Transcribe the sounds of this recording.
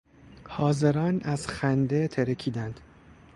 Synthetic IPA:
hɒːze̞ɾɒːnæz̥xænd̪et̪ʰeɾekʰiːd̪ænd̪̥

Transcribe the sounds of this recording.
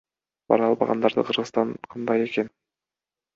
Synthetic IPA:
b̥ɑ̰ɾɑlˠbɑʁɑ̰nd̪ɑɾd̪ɯ̰qʰɯɾʁɯst̪ɑnqʰɑnd̪ɑje̞ke̞n

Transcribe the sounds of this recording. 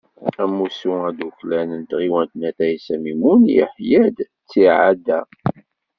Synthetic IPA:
æmːusuæd̪uklænənt̪ʁiwænt̪næθæjsæmimunjə̰ħjæd̪ | t͡sːiʕad̪æ

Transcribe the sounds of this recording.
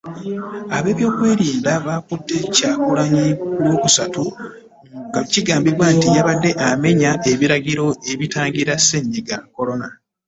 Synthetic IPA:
aβe̞ːβjo̞ːkwe̞ːɾiːndaβakudːe̞caːkulaɲikulwoːkusatu | ŋɡaciɡaːmbiβwaːntijaβadːe̞ʔame̞ɲaʔe̞βiɾaɟiɾo̞e̞βitaːŋɟiɾaseɲːiɡako̞lo̞na

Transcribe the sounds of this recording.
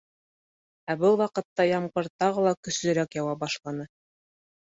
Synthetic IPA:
æbɤlˠwɑqɤ̆t̪ːɑjɑmqɤɾt̪ɑʁɤlˠɑkɵ̆slɵ̆ɾækjɑwɑbɑʃlˠɑnɤ

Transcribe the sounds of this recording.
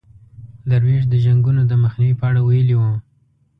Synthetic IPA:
d̪aɾmeʒd̪əʒaŋɡunod̪əməxniwipəaɽawajəliwəm

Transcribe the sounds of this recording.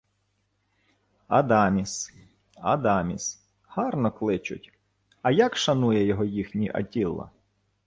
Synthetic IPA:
ɐd̪ɑmʲis | ɐ̰d̪ɑmʲis | hɑrnɔklˠɪt͡ʃʊ̰tʲ | ɐjakʃɐnujɛjɔɦɔjixnʲiʔɐ̰tʲilˠːɐ̰

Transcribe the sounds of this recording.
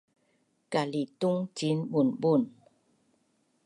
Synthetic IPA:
kalit̪uŋt͡ɕinbunbun

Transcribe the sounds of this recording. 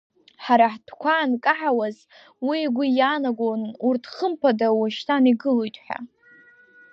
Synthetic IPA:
ħaɾaħd̥kʷankʼaħawaz | wiɡʷijanaɡʷonurtʰχəmpʰadawaʃtʰaniɡɨlojtʼħʷᶣa̰

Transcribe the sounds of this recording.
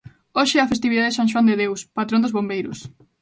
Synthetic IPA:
oʃɪɛɐfest̪iβiðaðesãnʃ̬wand̪eðewspat̪ɾõnd̪ʊzβombejɾʊ̰s

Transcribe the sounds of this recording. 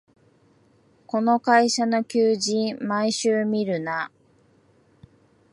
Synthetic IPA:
ko̞no̞kaiɕano̞kʲɨːʑĩmaiɕɨːmʲiɾɯ̟na

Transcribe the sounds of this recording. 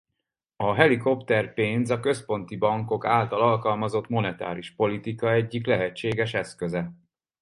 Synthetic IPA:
ɒɦɛliko̞pt̪ɛrpeːnzɒkø̞spo̞nt̪ibɒŋko̞kaːlt̪ɒlɒlkɒlmɒzo̞t̪mo̞nɛt̪a̰ːɾiʃpo̞lit̪ikɒɛɟːiklɛɦɛt͡ʃːeːɡɛʃɛskøzɛ

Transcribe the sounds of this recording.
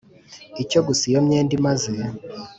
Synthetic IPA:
icoɡusijomɲeːndimaze

